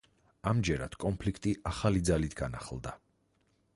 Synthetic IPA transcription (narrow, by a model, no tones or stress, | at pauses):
amd͡ʒɛɾa̰d̪̥kʼɔnpʰlikʰt̪ʼiʔaχalid̪zalit̪ʰɡana̰χlˠd̪a